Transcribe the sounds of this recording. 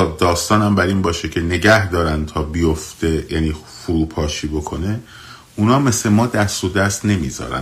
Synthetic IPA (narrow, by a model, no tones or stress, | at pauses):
ɒːd̪ɒːst̪ɒːnæmbæɾiːnbɒːʃecʰe̞ne̞ɟæhd̪ɒːɾænd̪t̪ʰɒːbijoft̪ejæːniː | fuɾuːpʰɒːʃiːbo̞kʰo̞ne | uːnɒːmeslemɒːd̪æst̪od̪æst̪ne̞miːzɒ̰ːɾæ̰n